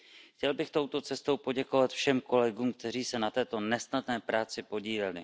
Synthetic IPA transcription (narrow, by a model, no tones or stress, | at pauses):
xcɛlbɪxt̪o̞wt̪o̞t͡sɛst̪o̞wpo̞ɟɛkovat̪fʃɛmko̞lɛɡuːmk̚t̪ɛriːsɛnat̪ɛːt̪o̞nɛsnadnɛːpɾaːt͡sɪpo̞ɟiːlɛlɪ